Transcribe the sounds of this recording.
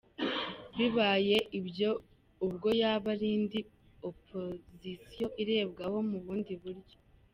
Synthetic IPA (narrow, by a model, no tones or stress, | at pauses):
βiβaːje̞ʔibjo | ubɡo̞jaːβaɾiːndi | opʰozisijo̞ʔiɾe̞ːbɡaho̞muβuːndiβuɾjo